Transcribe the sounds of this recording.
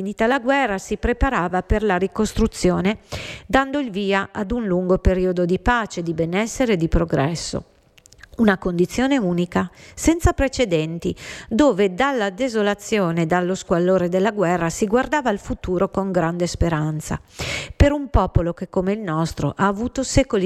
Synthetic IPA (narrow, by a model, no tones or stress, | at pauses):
finiːt̪alaɡwɛrːasipɾepaɾaːvaperlaɾikost̪ɾut̪sːjoːned̪and̪oilviːaʔad̪unluŋɡopeɾiːod̪od̪ipaːt͡ʃed̪ibenɛsːeɾed̪ipɾoɡɾɛsːo̰ | unakond̪it̪sːjoːneuːnikasɛnt̪sapɾet͡ʃed̪ɛnt̪id̪oːved̪alːad̪ezolat̪sːjoːned̪alːoskwalːoːɾed̪elːaɡwɛrːasiɡward̪aːvaːlfut̪uːɾokoŋɡɾand̪espeɾant̪sa̰peɾumpɔːpolokekːomeilnɔst̪ɾo̰ʔaːvuːt̪osɛkol